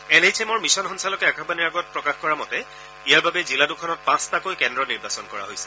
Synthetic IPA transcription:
ɛnejtʰɛmɔɹmisɔnɦɔnsalɔkɛakʰabaniɹaɡɔt̚pɹɔkaxkɔɹamɔtɛ | ijaɹbabɛziladukʰɔnɔt̚pãstakojkɛndɹɔniɹbasɔnkɔɹa̰ɦojsɛ̥

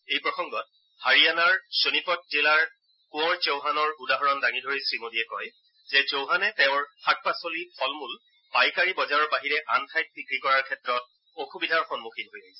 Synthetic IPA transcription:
ejpɹɔxɔŋɡɔt̚ | haɹianaɹsonipɔt̚zilaɹ | kũɔɹt͡ʃowɦanɔɹudaɦɔɹɔndaŋidʱoɹisɹimodiɛkɔj | zɛzowɦanɛtɛʊ̃ɹxak̚pasolipʰɔlmul | pajkaɹibɔzaɹɔɹbaɦiɹɛʔantʰajt̚pikɹikɔɹaɹkʰɛtɹɔt̚ | oxubidʱaɹxɔnmuxʰinɦojlaɡisɛ

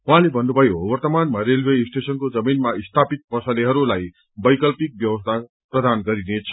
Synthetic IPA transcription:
ũɦãlebʱʌnːubʱʌjowʌrt̪ʌmanmaɾelwesʈesʌnkod͡zʌminmaist̪ʰapit̪̚pʌsʌleɦʌɾulaj | bʌjkʌlpik̚bjʌwʌst̪ʰa | prʌd̪anɡʌɾinet͡sʰʌ̥

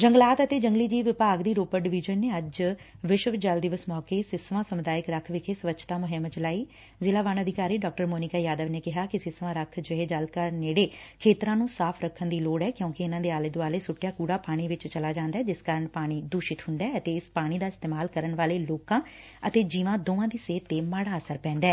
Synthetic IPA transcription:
d͡ʒə̃ŋɡlaːt̪ət̪eːd͡ʒə̃ŋɡliːd͡ʒiːʋɪpaːɡd̪iːɾoːpəɾɖɪʋɪd͡ʒənːeːəd͡ʒʋɪʃʋd͡ʒəld̪ɪʋəsmɔːkeːsɪsʋãːsəmʊd̪aːɪkɾəkʰʋɪkʰeːsʋət͡ʃʰt̪aːmʊɦɪmt͡ʃlaːiː | zɪlaːʋaːnəd̪ʱɪkaːɾiːɖɔːk̚ʈəɾmoːnɪkaːjaːd̪əʋneːkɪɦaːkɪsɪsʋãːɾəkʰd͡ʒəɦeːd͡ʒəlkəɾneːɽeːkʰeːt̪ɾãːnũːsaːpʰɾəkʰːənd̪iːloːɽɛːkjõːkɪɪnãːd̪eːaːleːd̪ʊaːleːsʊʈːjaːkuːɽaːpaːɽ̃iːʋɪt͡ʃt͡ʃəlaːd͡ʒãːnd̪aːɛːd͡ʒɪskaːɾəɳpaːɽ̃iːd̪ʊːʃɪt̪ɦʊ̃nd̪aːət̪eːɪspaːɽ̃iːd̪aːɪst̪eːmaːlkəɾəɳʋaːleːloːkãː | ət̪eːd͡ʒiːʋãːd̪oːʋãːd̪iːseːt̪ːeːmaːɽaːəsəɾpɛ̃ːnd̪ɛː

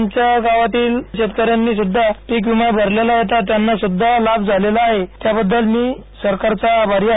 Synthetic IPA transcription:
ɲt͡ɕjaɡaʋat̪iːlɕet̪kəɾjanːiːsud̪ʱːapiːkʋimajbʱəɾlelajet̪at̪janːasud̪ʱːalabd͡zʱalelaːɦet̪jabəd̪ːəlmiːsəɾkaɾt͡sabaɾia

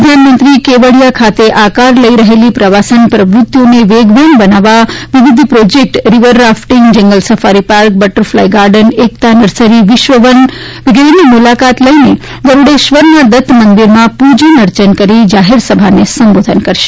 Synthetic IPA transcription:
d̪ʱjanmə̃nt̪ɾikeʋəɽijakʰat̪eʔakaɾləiɾəɦelipɾəʋasənpɾəʋɾʊt̪ːjoneʋeɡʋenbənaʋaʋiʋɪd̪ʱpɾod͡ʒek̚ʈɾiʋəɾːafʈiŋɡd͡ʒɛ̃ŋɡəlsəfaɾipaɾk̚bəʈəɾflajɡaɾɖənek̚t̪anəɾsəɾiʋɪʃʋəʋən | ʋɪɡɾenimulakat̪ləine | d̪əɾuɽeʃʋəɾnad̪ət̪ʰmənd̪iɾmãpud͡ʒənəɾt͡ʃənkəɾid͡ʒaɦeɾsəbʱanesəmbod̪ʱənkəɾʃe̥

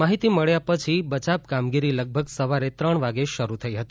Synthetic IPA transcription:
aɦit̪iməɭjapət͡ʃʰibət͡ʃapkamɡiɾiləɡ̚bʱəɡsəʋaɾet̪ɾəɳʋaɡeʃəɾut̪ʰəiɦət̪i

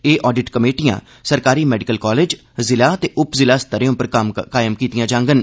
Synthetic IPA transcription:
eːʔɔːɖɪʈkəmeːʈijã̰ː | səɾkaːɾiːmɛːɖɪkəlkɔːleːd͡ʒ | zɪlaːt̪eːʔʊpzɪlaːst̪əɾeõːpəɾəmkaːɪəmkiːt̪ijãːd͡ʒãːŋɡən

